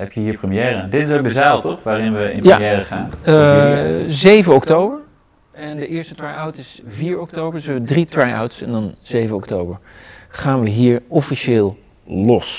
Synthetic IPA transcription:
hɛpjəɦiːɹprəmijɛːɾəadɪtɪs̬owk̚dəzaːlˠtɔχʋaːɾɪnʋəɪ̰npja̰jɛːɾəχa̰ːn | zejvənɔktowbəɹ | ɛndəʔɪːɹstətɹajawtɪsviːɹɔktowbəɹdsɛbədritɹaja̰wtsɛndɑnz̥ejvənɔktowbəɹχaːnʋəɦiːɹɔfiʃɪːlˠ | lɔs

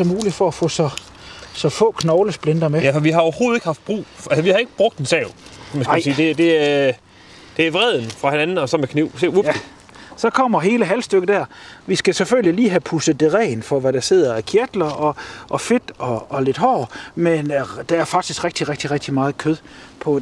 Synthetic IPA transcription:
sɒ̽muːli̥fɒ̽æfɔ̰̽ːsɒ̽ | sɒ̽fɔ̰̽ːkʰnɒʊləsb̥lend̥ɐmejæfɒʋiɦɑ̈oʊɐho̝ːð̩ˠeɡəhɑ̈fd̥̚b̥ʁṵːʔælsɒʋihɑ̈e̝ɡ̥əb̥ʁɔɡ̥̚d̥ensɛʊmænssiːd̥e̝d̥e̝æ | d̥e̝æʋʁɛð̞̰ˠn̩fʁɑ̈henænn̩ɒ̽sɒ̽mekʰniʊ̰seu | sɒ̽kʰɒ̽m̰ɐɦe̝ːləɦælsd̥øɡ̥əd̥æɐ̰ʋisɡ̥æseføl̰jiliːɦæpʰusəð̩ˠd̥e̝ʁɛ̰ːnfɒ̽ʋæɾ̥æse̝ð̞̰ˠɐækʰeɐd̥lɐʔɒ̽ʔɒ̽fe̝d̥ɒ̽ːle̝d̥ɦɒ̰ːmend̥ææɐfɑ̈ɡ̥d̥isɡ̥ʁeɡ̥̚d̥iʁɡ̥̚d̥iʁe̥d̥imɑ̈ːð̩ˠkʰøðˠpʰɒ̽

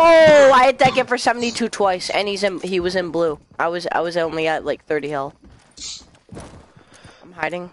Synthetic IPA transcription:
oaɪɨd̚dɨt̚ɡ̥ɛtfə˞sɛvn̩titʰʉtʰw̥aɪsɨ̰̃nizɨ̃niwʌzɨ̃nblu | ʔaɪwʌza̰ɪwʌzõʊ̃nliɨt̚laɪk̚θɜ˞ɾihɪlˠ | ɪ̃mhaɪɾɪ̃ŋ

